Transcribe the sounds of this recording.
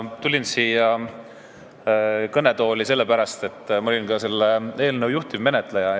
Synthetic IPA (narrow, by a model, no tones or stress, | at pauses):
t̪ulʲinsiːjɑ | kɤne̞t̪o̞ːlise̞lːepæɾɑst̪e̞t̪ːˑmɑolʲinkɑse̞lːee̞ːlnəwjuht̪ivme̞ne̞t̪ˑlejɑ